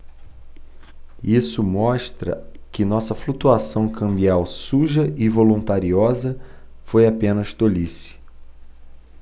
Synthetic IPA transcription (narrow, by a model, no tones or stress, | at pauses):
isʊmɔʃt̪ɾɐ̰kɪnɔsɐflut̪uasɐ̃w̃kɐ̃mbiawsuʒɐʔɪvolũnt̪aɾiɔzɐ | fojapẽnɐʃt̪olisɪ̥